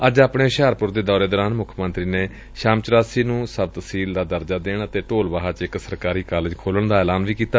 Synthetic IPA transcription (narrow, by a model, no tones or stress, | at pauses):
əd͡ʒaːpɽɳeːʃaːɾpʊɾd̪eːd̪ɔːɾeːd̪ɔːɾaːnmʊkʰmənt̪ɾiːneː | ʃaːmt͡ʃɾaːsiːnũːsəb̚t̪əsiːld̪aːd̪əɾd͡ʒaːd̪eːɳət̪eːʈoːlʋaːɦaːt͡ʃɪksəɾkaːɾiːkaːlɪd͡ʒkʰoːləɳd̪aːɛːlaːnʋiːkiːt̪aː